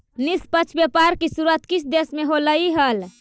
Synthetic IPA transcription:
nispət͡ʃʰbepaɾkisuɾət̪kit͡ʃʰd̪esmeɦoləiɦəl

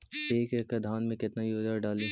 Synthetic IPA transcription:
eːkekəd̪ʱaːnmẽkɪt̪najoːd͡ʒaɖaːle

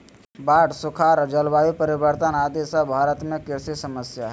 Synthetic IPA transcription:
baːʈsʊkʰaːɾd͡ʒəlbaːjipəɾɪbəɾt̪ənaːd̪esəbʱaːɾət̪mẽkɛːsisəməsjaɦɛ

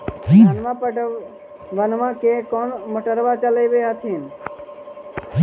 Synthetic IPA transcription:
ənmãpəʈ | ʋənmãkekɔnməʈəɾʋat͡ʃələjbeət̪ʰin

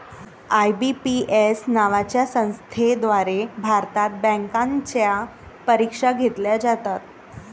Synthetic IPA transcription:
ajbipiesnaʋat͡ɕjasə̃w̃st̪ʰed̪ʋaɾebʱaɾt̪at̪̚bə̃ŋkãɲt͡ɕjapəɾikʂaɡʱet̪ljad͡zat̪at̪̚

